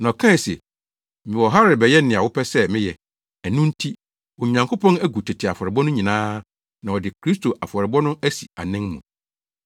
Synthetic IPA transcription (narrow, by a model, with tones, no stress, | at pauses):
nɔ̃˨kʰã˦˨sḛ˨ | mɪ̃˨wɔ˨ɦa˦ɾɪ˨bɛ˨jɛ˦n˦nɪ̃˨a˨wʊ˦pʰɛ˦sɛ˦mɪ̃˦jɛ˨ | æ˨nũ˦n̩˦tʰi˦ | ɔ˨ɲã˨ŋkʰo˦pʰɔ̃˦næ˦ɡu˨tʰɛ˨tʰɪ˨a˨fɔ˨ɾɪ˨bɔ˦nʊ̃˦ɲĩ˨nãː˦ | nã˨ɔ˨dɪ˨kʰɾi˦s̬tʰo˨ʔa˨fɔ˨ɾɪ˨bɔ˦nʊ̃˦æ˦si˨a̰˨nɪ̃˦ŋmũ˨